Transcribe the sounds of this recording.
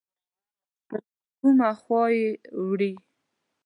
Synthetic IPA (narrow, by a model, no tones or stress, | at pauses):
pə | kumaxwɑjewɽi